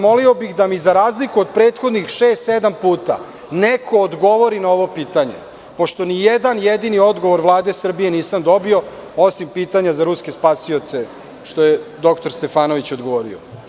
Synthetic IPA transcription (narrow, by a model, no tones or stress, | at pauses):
mo̞lio̞bixd̪amizaɾaːzlikuod̪pɾeːt̪xo̞d̪nixʃeːst̪sed̪ampuːt̪a̰ | neko̞ːd̪ɡo̞ʋo̞ɾinaoʋo̞piːt̪aɲḛ | po̞ʃt̪o̞nijed̪anjed̪inio̞d̪ɡo̞ʋo̞ɾʋlˠaːd̪e̞sr̩bije̞niːsamd̪o̞bio̞o̞simpiːt̪aɲazaɾuskʲe̞spasio̞t̪se̞ | ʃt̪o̞jed̪o̞kt̪oɾst̪e̞faːno̞ʋit͡ɕo̞d̪ɡoʋoːɾḭo